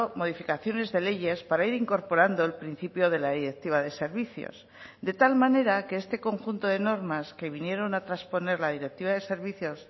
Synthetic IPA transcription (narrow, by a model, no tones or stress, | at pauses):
mo̞ð̞ifikaθjo̞ne̞zðe̞le̞ʝe̞spaɾaiɾiŋko̞ɾpo̞ɾand̪oelpɾin̟θipjo̞ð̞e̞laðiɾe̞k̚t̪iβaðe̞se̞ɾβiθjo̰s | d̪e̞t̪almane̞ɾakeest̪e̞ko̞ŋxunt̪o̞ðe̞no̞ɾmaske̞β̞inje̞ɾo̞nat̪ɾaspo̞ne̞ɾlað̞iɾe̞k̚t̪iβaðe̞se̞ɾβiθjo̞s